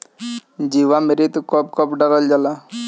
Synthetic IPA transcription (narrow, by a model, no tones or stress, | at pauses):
d͡ʒiʋameɾit̪ukɔp̚kɔpɖəɾəld͡ʒala